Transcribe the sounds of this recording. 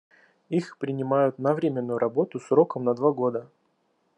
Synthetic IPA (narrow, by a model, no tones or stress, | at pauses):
ixpɾʲɪnʲɪmajʊt̪navɾʲɪmʲɪnːujʊɾʔɐbo̞t̪ʊsɾo̞kəmnɐd̪vaɡo̞d̪ə